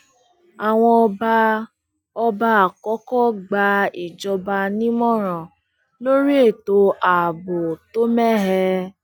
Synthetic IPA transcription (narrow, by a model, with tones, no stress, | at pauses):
a˨w̃ɔ̃˧ɔ˧ba˧ | ɔ˧ba˧a˨kɔ˨˦kɔ˦ɡ͡ba˧i˨d͡ʒɔ˧ba˧nĩ˦mɔ̃˦ɾ̃ã˨ | lo˦ɾi˦e˦˨to˧a˨bo˨to˦mɛ˦ɦɛ˧